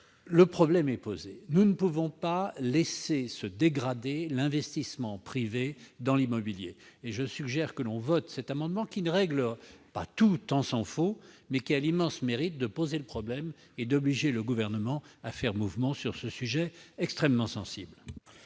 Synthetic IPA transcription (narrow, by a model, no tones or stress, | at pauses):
ləpχɔblɛmɛpozenunəpuvɔ̃palɛsesəd̪eɡʁad̪elɛ̃vɛst̪ismɑ̃pχived̪ɑ̃limɔbiljeːʒəsyɡʒɛʁkəlɔ̃vɔt̪sɛt̪amɑ̃d̪mɑ̃kʲinəʁɛɡləpa̰t̪ut̪ɑ̃sɑ̃fo | mɛkʲialimɑ̃smeʁit̪̚d̪əpozeləpχɔblɛm | ed̪ɔbliʒeləɡuvɛʁnəmɑ̃afɛʁmuvmɑ̃syʁsəsyʒɛɛkst̪χɛmːɑ̃sɑ̃sḭbl